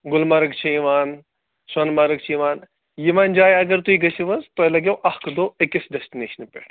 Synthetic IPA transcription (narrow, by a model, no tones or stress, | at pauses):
ɡʊlmɐɾɨɡt͡ʃʰiiʋaːn | sɐnmaɾɨkt͡ʃʰiiʋaːn | jimaːnd͡ʒaːjɐɡɐɾt̪uiɡɐt͡ʃʰiʋɐzt̪ojlɐɡʲewʔɐhkd̪oːekesɖesʈineːʃɐnpʲeʈ